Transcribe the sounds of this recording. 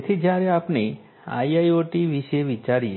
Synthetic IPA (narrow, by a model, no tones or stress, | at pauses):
t̪ʰid͡ʒjaɾeapne | a̰iajoʈiʋiʃeʋit͡ʃaɾie